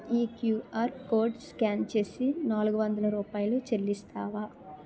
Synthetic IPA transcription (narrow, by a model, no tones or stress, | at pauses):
iːkjuːaːɾkoːɖskaːnt͡ʃe̞ːsinaːluɡuʋɐnd̪ɐlɐɾuːpaːjɐlut͡ʃelːist̪aːʋaː